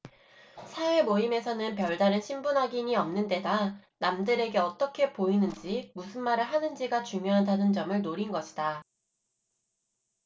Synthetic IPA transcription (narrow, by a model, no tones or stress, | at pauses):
sʰaemoime̞sʰʌnɯnpjʌɭdaɾɯnɕʰimbunɦaɡiɲiʌmnɯnde̞danamdɯɾe̞ɡe̞ʌt͈ʌkʰe̞poinɯnd͡ʑimusʰɯnmaɾɯɭɦanɯnd͡ʑiɡat͡ɕuŋjoɦandadɯnd͡ʑʌmɯɭnoɾinɡʌɕʰi̥da